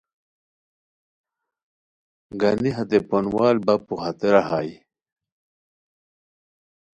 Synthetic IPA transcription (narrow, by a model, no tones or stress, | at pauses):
ɡaniɦat̪eponwaːlbapuhat̪eɾaɦaːj